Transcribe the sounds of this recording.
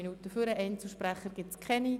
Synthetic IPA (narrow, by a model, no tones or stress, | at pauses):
inuːtəfyɾəʔɛnt͡səʃprɛχəɾɡ̥ɪt͡skʰχɛni